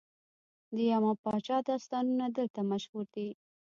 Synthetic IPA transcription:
d̪əjamapɑt͡ʃɑd̪ɑst̪ɑnunad̪əlt̪amaʃhuɾd̪i

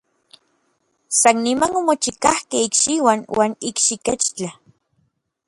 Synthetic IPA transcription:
sanːimanomot͡ʃikahkehikʃiwanwaːnikʃiket͡ʃt͡ɬa

